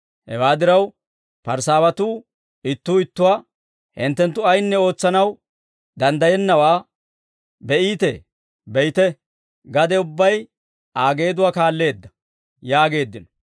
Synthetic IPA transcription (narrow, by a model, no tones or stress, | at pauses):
hɛ̰waːd̪ɪɾɐw | pɐɾsaːwɐt̪uː | ɪt̪ːuːɪt̪ːʊwa | hɪ̰nt̪ːɛnt̪ːʊɐjnːɛo̞ːt͡sːɐnɐw | d̪ɐnd̪ɐjɛnːɐwaː | bɛʔiːt̪ḛ | bɛjt̪ɛ | ɡɐd̪ɛʊbːɐj | aːɡe̞ːd̪ʊwaːkaːlːe̞ːd̪ːɐ̥ | jaːɡe̞ːd̪ːɪnɔ̥